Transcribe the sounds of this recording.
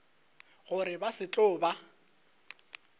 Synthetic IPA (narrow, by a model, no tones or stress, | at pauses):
ɣʊɾɪbasɪt͡ɬʼʊːba